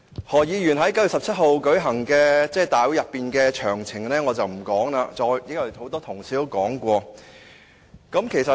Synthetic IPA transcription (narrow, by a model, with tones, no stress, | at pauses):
hɔː˨˩jiː˨˧jyː˨˩nɦɐ˨˥jkɐ˥jyː˨˩sɐ˨p̚t͡sʰɐ˥t̚ho˨wkɵ˨˥ɥɦɐ˨˩ŋkɛː˧t͡sɛː˥˩t̪aː˨jwu˨˥jɐ˨pːiː˨nkɛː˧t͡ʃʰœː˨˩ŋt͡sʰɪ˨˩ŋlɛː˥ŋɔː˨˧t͡sɐ˨wm̩˨˩kɔː˨˥ŋlaː˧t͡sɔː˧jjɪ˨˥kjɐ˨˩ho˨˥wt̪ɔː˥t̪ʰʊ˨˩ŋt͡sʰiː˨˧t̪o˥wkɔː˨˥ŋkʷɔː˧ | kɐ˨˥mkʰe˨˩jsɐ˨